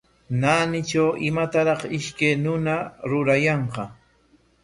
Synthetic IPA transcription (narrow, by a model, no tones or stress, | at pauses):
naːnɪt͡ʃawʔɪmat̪aɾɑχɪʃkajnʊnaɾʊɾajɑɴqɑ